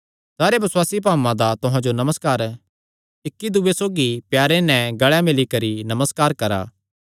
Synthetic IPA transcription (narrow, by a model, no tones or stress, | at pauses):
saːɾebɐswaːsip̬aːmãd̪at̪ʊɦãd͡ʒonɐməskaːɾ | ɪkːid̪ʊːesoːɡipjaːɾenɛ̃ɡɐɭɛmɪlikɐɾinɐməskaːɾkɐɾa̰ː